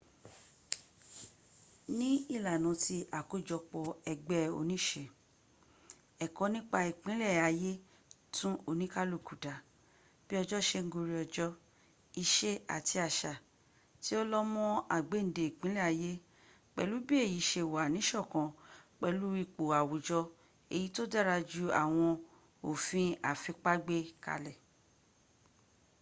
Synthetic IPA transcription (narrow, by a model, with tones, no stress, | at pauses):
nĩ˦i˦˨la˨nã˨˧ti˧ʔa˨ko˨˦d͡ʒɔ˧k͡pɔ˧ɛ˧ɡ͡bɛ˦o̰˧nĩ˦˨ʃe˧˨ | ɛ˨kɔ˨˧˦nĩ˦k͡pa˧i˨k͡pĩ˨˦lɛ˦˨a˧je˦ | tʰũ˦o˧nĩ˦ka˦lo˦˨ku˨da˨ | b̥i˦ɔ˧d͡ʒɔ˦˨ʃe˧ŋ̩˦ɡu˧ɾi˧ɔ˧d͡ʒɔ˦ | i˧ʃe˦a̰˨ti˧a˧˨ʃa˨ | ti˦o˦lɔ˦mɔ̃˦a˨ɡ͡be˨˦n̩˨de˨i˨k͡pĩ˦lɛ˦˨a˨˧je˦ | k͡pɛ̰˧lu˦bi˦e˦˨ji˨˦ʃe˧˨wa˨nĩ˨˦ʃɔ˦˨kã˨k͡pɛ˧lu˦i˦˧k͡po˨a˨wo˨d͡ʒɔ˧ | e˨ji˨˦to˦dɛ˦˨ɾa˧d͡ʒu˦a̰˦˨w̃ɔ̃˧ | o˨fĩ˧a˦˨fĩ˧k͡pa˦ɡ͡be˦ka̰˧lɛ˨